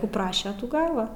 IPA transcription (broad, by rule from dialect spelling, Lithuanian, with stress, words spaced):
ˈkuː ˈprɑːʃʲɛ ˈtuː ˈɡɑːʋɐ